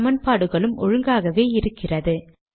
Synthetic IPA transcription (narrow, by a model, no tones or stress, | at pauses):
mɐnpaːɽɯɣɐɭɯmʔɔɻɯŋɡaːɣɐʋeːɪɾɯkːɪrɐðɯ